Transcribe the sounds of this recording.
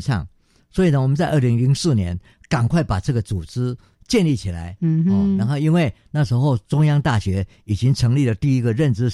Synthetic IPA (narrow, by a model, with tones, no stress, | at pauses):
ʂɑ̰˥˩ŋ | swɔ˧˥i˨˩nə˦wɔ˨˩mə˦nt͡sa˥˧ə˥˩li˧˥ŋli˧˥ŋsɹ̩˥˩njɛ̰˧˥n | ka˨˩ŋkʰwa˥˩ɪpa˨˩ʈ͡ʂɤ˥˩ɡə˨t͡su˨˩ʈ͡ʂɻ̩˥ | t͡ɕjɛ˥˧nli˥˩t͡ɕʰi˨˩la̰˧˥ɪ˧˩ɻa˧˥nxo˥˧ʊi˥nwe˥˩ɪna˥˩ʂɻ̩˧˥xo˥˩ʊt͡sʊ˥ŋjɑ˥ŋt̪a˥˩ɕɥɛ˧˥ | i˨˩t͡ɕi˥ŋʈ͡ʂʰɤ˧˥ŋli˥˩lə˩t̪i˥˩i˧˥ɡə˨ɻə˥˨˩nʈ͡ʂɻ̩˥